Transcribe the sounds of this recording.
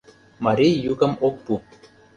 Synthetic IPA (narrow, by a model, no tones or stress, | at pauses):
maɾijukə̆mok̚pu